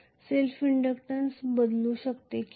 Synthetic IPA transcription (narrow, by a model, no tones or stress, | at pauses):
selfiɳɖəkʈãnsbəd̪luːɕəkt̪ek